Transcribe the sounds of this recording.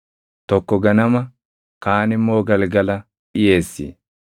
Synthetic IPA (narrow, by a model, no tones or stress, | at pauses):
t̪ɔkːɔɡɐnɐmɐ | kaːnɪmo̞ːɡɐlɡɐlɐ | ɪje̞ːsːḭː